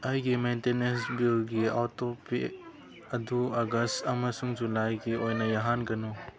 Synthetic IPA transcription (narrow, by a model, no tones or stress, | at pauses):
ɐjɡimentenesbilɡiatopi | ɐduɐɡɐstɐmɐsuŋd͡ʒulajɡiojnɐjaɦanɡɐnu